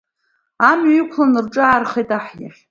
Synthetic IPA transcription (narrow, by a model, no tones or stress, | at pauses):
amɥikʷʰlanɨrʈ͡ʂʼɨarχejtʼaħja̰ħ